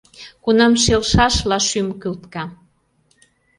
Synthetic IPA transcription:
kunɑmʃelʃɑʃlɑʃymkylt̪kɑ

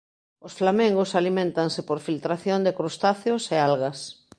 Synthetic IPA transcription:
osflamẽŋɡosalimẽnt̪aŋsɪpoɾfilt̪ɾaθjond̪ɪkɾost̪aθjosealɣɐs

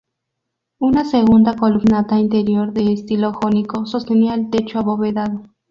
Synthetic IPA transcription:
unaseɣund̪akoluɡnat̪aint̪eɾjoɾðeːst̪iloxonikosost̪eniaelt̪et͡ʃoaβoβeðaðo

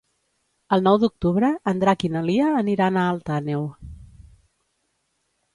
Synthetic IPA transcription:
əlˠnɔwd̪uk̚t̪uβɾəːnd̪ɾakinəliəːniɾanaːlˠt̪anew

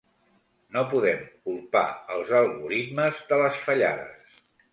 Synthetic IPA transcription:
nopuðɛmkulˠpa̰əlˠzəlˠɣuɾit̪məzðələsfəʎaðə̰s

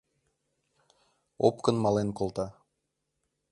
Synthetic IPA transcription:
o̰pkənmɑlenkolˠt̪ɑ

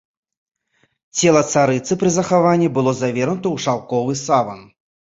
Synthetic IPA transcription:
t͡sʲɛlˠɐt̪saɾɨt̪sɨpɾɨzɐxavanʲːibɨlˠɔzavʲɛrnut̪ɐwʂawkɔvɨsavɐn

